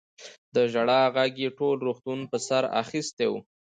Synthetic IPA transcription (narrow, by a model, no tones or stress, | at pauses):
d̪əʒaɽɑɣaɡjeʈolɾoxt̪unpəsaɾa̰xist̪ew